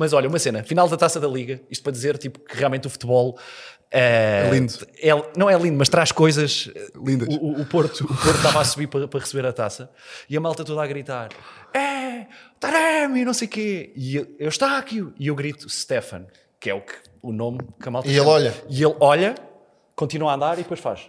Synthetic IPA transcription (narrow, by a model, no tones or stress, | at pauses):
mɐzɔʎɐumɐsenɐfinalˠd̪ɐt̪asɐðɐlˠiɣɐiʃt̪̚pɾɐðizeɾt̪ipu̥kɨʁialˠmẽt̪ufu̥t̪βɔlˠ | ɛɛllˠĩnd̪ɛlˠnɐ̃w̃ɛlˠĩnd̪umɐʃt̪ɾaʃkojzɐʃlˠĩnd̪ɐːpoɾt̪uːpoɾt̪t̪avasuβiɾpɾɐpɾɐʁɨsɨβeɾɐt̪asɐ | iɐmalˠt̪ɐt̪oðaɣɾit̪aɾɛ | t̪aɾɐmiunɐ̃w̃sejukeieewʃt̪akiuiewɣɾit̪u̥ʃt̪efɐ̰̃n | kɛuk | unomkɐmalˠt̪elˠɔʎɐielˠɔʎɐ | kõnt̪inuaɐ̃nd̪aɾiðpojʃfa̰ʃ